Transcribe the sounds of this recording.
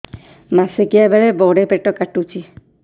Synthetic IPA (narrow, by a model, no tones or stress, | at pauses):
masekijabaɭebɔɽepeʈɔkaʈut͡ʃʰi